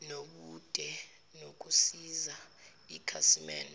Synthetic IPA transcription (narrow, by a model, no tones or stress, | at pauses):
noɓud̥ʼʱɛ | nok̬ʼusiza | ikʰasimɛ̰ːn